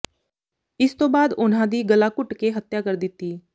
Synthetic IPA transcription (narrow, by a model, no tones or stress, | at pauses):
ɪst̪õːbaːd̪ʊnɦãːd̪iːɡəlaːkʊʈkeɦət̪jaːkəɾd̪ɪt̪ːiː